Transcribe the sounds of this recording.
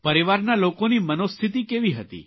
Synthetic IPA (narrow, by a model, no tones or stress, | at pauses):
pəɾiʋaɾnalokonimənost̪ʰit̪̬ikeʋiɦət̪ḭ